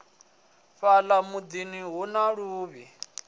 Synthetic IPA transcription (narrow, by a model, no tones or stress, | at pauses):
ɸalamud͡ziniɦunaɺuːβi